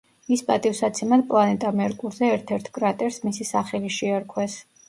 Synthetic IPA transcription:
ispʼat̪ʼifsat̪sʰɛmad̪̚pʼlˠanɛt̪ʼamɛɾkʼuɾzɛɛɾt̪ʰɛɾt̪ʰɡʼɾat̪ʼɛɾsmisisaχɛliʃɛaɾkʰwɛs

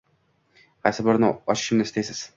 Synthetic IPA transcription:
qʰɑjsɪbɪɾnɨɒʃɪ̥̆ʃɪ̆mnɪzɪst̪ejsɪz̥

